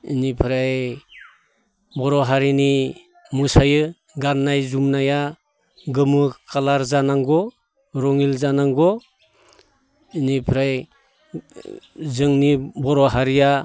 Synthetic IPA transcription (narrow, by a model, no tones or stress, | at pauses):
ḭnipʰɾaj | bɔɾɔɦaɾini | musajɯ | ɡanːajzumnaja | ɡɯmɯkalaɾzanaŋɡɔ | ɾɔŋilzanaŋɡɔ | inipʰɾaj | zɯŋnibɔɾɔɦaɾija